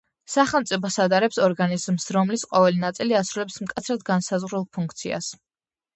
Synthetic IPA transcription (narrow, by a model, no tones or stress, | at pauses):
saχɛlˠmt̪sʼipʰɔsad̪aɾɛpsɔɾɡanizmsɾɔmlisqʼɔvɛlinat̪sʼiliasɾulɛpsmkʼat̪sʰɾad̪̚ɡansazʁɾulˠpʰuŋkʰt̪sʰḭa̰s